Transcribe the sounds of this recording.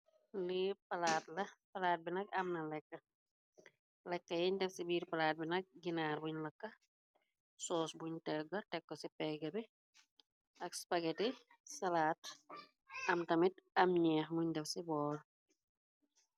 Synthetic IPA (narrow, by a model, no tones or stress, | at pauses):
lipɐlaːt̚lɐpɐlaːt̚binɐk̚ɐmnɐlɛkːɐ | lɛkːɐjɛɲdɛfsibiːɾpɐlaːt̚binɐk̚ɡinaːɾbuɲlɐkːɐ | sɔːsbuɲtɛɡɐtɛkːɔsipɛɡɐbɛ | ʔɐkspɐɡɛti | sɐlaːt | ʔɐmtɐmit̚ɐmɲɛːxmuɲdɛfsibɔːl